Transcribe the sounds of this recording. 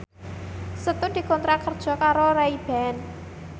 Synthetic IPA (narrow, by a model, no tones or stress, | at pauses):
sət̪ʊnd̪̥i̤kɔnt̪ɾakərd̥ʒ̥ɔ̤kaɾoɾaib̥ɛn